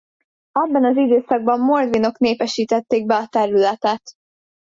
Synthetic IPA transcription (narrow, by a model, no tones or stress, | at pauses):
ɛbːɒnɒzid̪øːsɒɡ̚bɒmːo̞rd̪ʋino̞kneːpɛʃiːt̪ɛt̪ːeːɡ̚bɛɒt̪ɛɾylɛt̪ɛt̪